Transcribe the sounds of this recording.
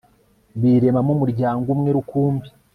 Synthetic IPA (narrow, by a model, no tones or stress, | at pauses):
βiɾe̞mamumuɾɟaːŋɡumŋe̞ɾukuːmbi